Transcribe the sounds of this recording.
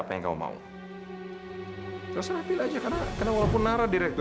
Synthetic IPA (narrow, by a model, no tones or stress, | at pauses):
apajaŋka̰ṵma̰ṵ | k̪saɾafɪlad͡ʒakarnakarnawɔlawpʊnːaɾadiɾɛk̚t̪